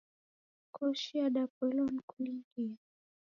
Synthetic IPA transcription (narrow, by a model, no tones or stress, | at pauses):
kʰɔʃiaɗapɛlɔnkuliŋɡia